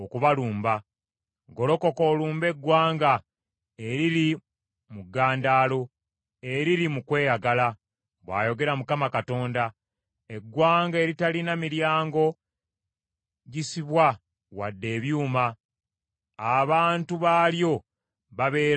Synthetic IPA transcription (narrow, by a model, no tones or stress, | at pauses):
okuβaluːmba | ɡo̞lo̞ko̞ko̞ːluːmbe̞ɡwaːŋɡa | eɾili | muɡːaːndaːlo̞ | e̞ɾiɾimukwe̞ːjaɡala | βwa̰ːjo̞ɡe̞ɾamukamakato̞ːnda | eɡwaːŋɡe̞ɾitalinamiɾjaːŋɡo̞ | ɟisiβwa | wadːe̞ːβjuːma | βaːntuβaːljo̞ | βaβe̞ː